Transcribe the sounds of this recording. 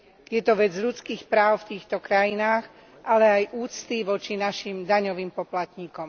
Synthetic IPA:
jɛt̪ɔʋɛd͡zʎut͡skiːxpɾaːʊft̪iːxt̪ɔkɾajinaːx | ʔalɛajʔuːt͡st̪iʋɔt͡ʃinaʃimd̪aɲɔʋiːmpɔplat̪ɲiːkɔm

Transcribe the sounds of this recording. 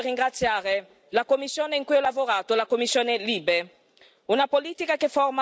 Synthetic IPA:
riŋɡɾat̪sjaːɾe | lakomːisːjoːneiŋkujɔlavoɾaːt̪olakomːisːjoːneliːbe | unapoliːt̪ikakefɔrma

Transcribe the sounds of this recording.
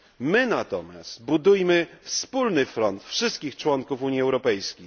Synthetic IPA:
mɘnat̪ɔmʲja̰st̪bud̪ujmɘfspulnɘfɾɔnt̪fʂɘst̪kʲixt͡ʂwɔŋkufuɲjiɛwɾɔpɛjskʲej

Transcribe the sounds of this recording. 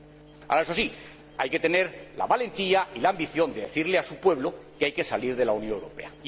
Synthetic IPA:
a̰laes̬oasi | ajke̞t̪e̞ne̞ɾla̰βale̞nt̪iailaːmbiθjo̞nd̪eðe̞θiɾleasupwe̞βlo̞keajke̞saliɾðe̞launjoŋewɾo̞pe̞̰a

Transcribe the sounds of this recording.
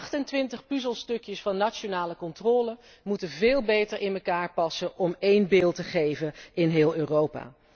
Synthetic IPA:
χtəntʋɪntəχpyzəlˠstɵkjəsfɑnːat͡ʃonaːləkɔntrɔːlə | mutənvɪːlˠbejtəɹɪnməkaːɹpɑsəʔɔmejnbeːlˠtəχejvənɪnɦɪːlˠøːrowpa̰ː

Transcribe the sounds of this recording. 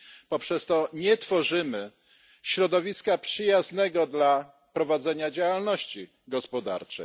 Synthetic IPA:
pɔpʂɛst̪ɔɲɛt̪fɔʐɘmɘ | ɕɾɔd̪ɔvʲiskapʂɘjaznɛɡɔd̪la | pɾɔvad̪zɛɲad͡ʑawalnɔɕt͡ɕi | ɡɔspɔd̪a̰ɾt͡ʂɛ̰

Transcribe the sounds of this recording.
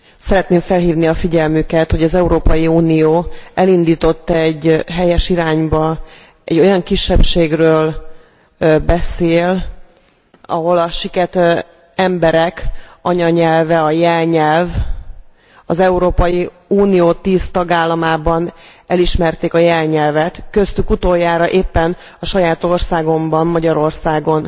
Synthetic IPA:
sɛɾɛt̪neːɱfɛlɦiːvniɒfiɟɛlmykɛt̪ho̞ɟɒzɛuɾoːpɒjiuːnijoːɛlind̪iːt̪o̞t̪ːɛɟːɦɛjɛʃiɾaːɲbɒ | ɛ̰ɟːojɒŋkiʃːɛpʃeːɡrøːl | bɛseːl | ɒ̰ɦo̞lɒʃikɛt̪ | ɛmbɛɾɛkɒɲɒɲɛlvɛɒjɛlɲɛlv | ɒzɛuɾoːpɒji | uːnijoːt̪iːst̪ɒɡaːlːɒmaːbɒnɛliʃmɛrt̪eːkɒjɛlɲɛlvɛt̪kø̞st̪ykut̪ojːaːɾɒʔeːpːɛn | ɒʃɒjaːt̪o̞rsaːɡo̞mbɒmːɒɟɒɾo̞rsaːɡo̞n

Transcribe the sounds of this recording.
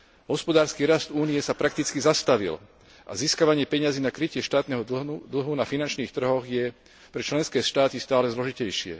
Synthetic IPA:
ɦɔspɔd̪aːɾskiːɾasd̪uːnijɛsapɾak̚t̪it͡skizast̪aʋḭl | ʔa̰ziːskaʋaɲɪɛpɛɲaziːnakɾicɪɛʃt̪aːt̪nɛɦɔd̪l̩ɦunafinant͡ʃniːxt̪r̩ɦɔɣjɛ | pɾɛt͡ʃlɛnskɛːʃt̪aːt̪ist̪aːlɛzlɔʒicɛjʃɪɛ̰

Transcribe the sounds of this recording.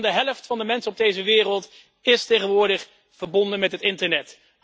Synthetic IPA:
ndəɦɛləftfɑndəmɛnsəɔb̚dejzəʋɪːrəlˠt | ɪstejχənʋʊːɹdəχ | v̥əɹbɔndənmɛtɦətɪntəɹnɛt

